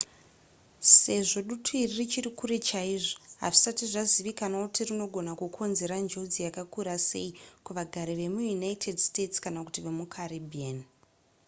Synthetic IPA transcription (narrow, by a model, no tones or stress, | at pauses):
se̞ʐo̞ɗutʰoiririt͡ʃirikuɾe̞t͡ʃaiʐoɦa̰ʐisatiʐaziʋikanakutirino̞ɡʱo̞nakukʰo̞nzeɾand͡ʒo̞d͡zijakakuɾase̞̰ikuʋaɡʱaɾiʋe̞mujunaitʰe̞dstetskanakutiʋe̞mukʰaribʱian